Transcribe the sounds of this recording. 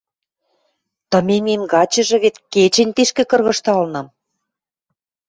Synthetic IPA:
t̪ɤ̆mememɡɑt͡ɕɤ̆ʒɤ̆βet̪ket͡ɕĕnʲt̪eʃkĕkɤ̆rɣɤ̆ʃt̪ɑlnɤ̆m

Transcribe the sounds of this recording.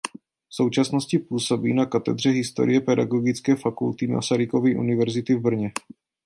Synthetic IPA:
fso̞wt͡ʃasno̞scɪpuːso̞biːnakat̪ɛ̰d̪r̝ɛɦɪst̪o̞ɾɪjɛpɛdaɡo̞ɡɪt͡skɛːfakult̪ɪma̰saɾɪko̞viʔṵnɪvɛɾzɪt̪ɪvbr̩ɲɛ

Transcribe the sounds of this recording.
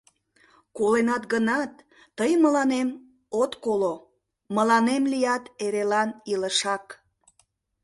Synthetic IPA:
kolenɑt̪ɡənɑt̪ː | əjənməlɑnem | ot̪kolo | məlɑnemlijɑt̪eɾelɑniləʃɑk

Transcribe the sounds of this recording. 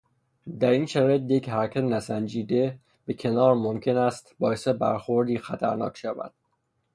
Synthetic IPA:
d̪æɾinʃæɾɒːjet̪̬̚jechæɾkʰæt̪enæsænd͡ʒiːd̪e̞ | b̥e̞cʰe̞nɒːɾmomcʰe̞næst̪bɒːjesebæ̰ɾxoɾd̪iːxæt̪ʰæɾnɒ̰ːkʰʃævæ̰d̪̥̚

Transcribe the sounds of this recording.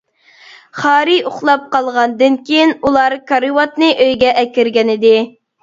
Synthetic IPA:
χɑːɾɨoχlˠɑp̚qɑlˠʁɑnd̪ɨnkʲʰejinulˠɑɾkʰɑɾɨwɑt̪̚nɨʔøjɡʲɛʔɛkʲiɾɡʲɛnɪd̪ɪ

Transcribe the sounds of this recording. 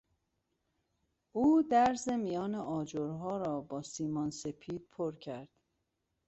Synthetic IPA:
ʔuːd̪æɾzemijɒːneʔɒːd͡ʒoɾɦɒːɾɒːbɒːsiːmɒːnse̞pʰiːd̪̥̚pʰoɾcʰæɾd̪̥

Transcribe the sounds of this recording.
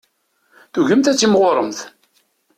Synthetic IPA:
θuʝəmt̪æt͡sːimʁoɾˤəmθ

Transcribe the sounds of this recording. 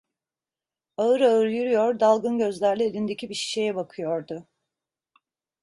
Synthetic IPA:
aɯɾaɯɾjyɾyjoɾd̪alˠɡɯnɟø̞zlʲæɾlʲielʲind̪e̞cʰibiʃi̥ʃejɛbakʰɯjo̞ɾd̪ʊ

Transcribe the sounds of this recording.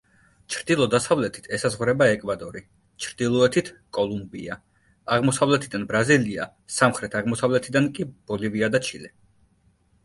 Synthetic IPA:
t͡ʃʰɾd̪ilˠɔd̪asavlɛt̪ʰi̥t̪ʰɛsazʁɾɛbaɛkʼvad̪ɔɾi | t͡ʃʰɾd̪̥ilˠɔɛt̪ʰit̪ʰkʼɔlˠumbḭa | aʁmɔsavlɛt̪ʰid̪anbɾazilia | samχɾɛt̪ʰaʁmɔsavlɛt̪ʰid̪ankʼib̥ɔliviad̪at͡ʃʰilɛ

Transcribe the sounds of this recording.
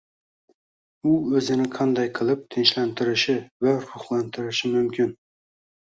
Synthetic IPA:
uɵzɪnɪqʰɑnd̪ɑjqʰɨlˠɪp̚t̪ʰɪnʃlænt̪ʰɪɾɪʃɪvæɾʊχlˠɑnt̪ʰɪɾɪʃɪmʊmkʲʰɪn

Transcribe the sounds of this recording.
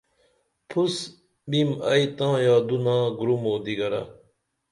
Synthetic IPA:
pʰus | bimɐjt̪ãːjaːd̪unãːɡɾumoːd̪iɡɐɾɐ̰

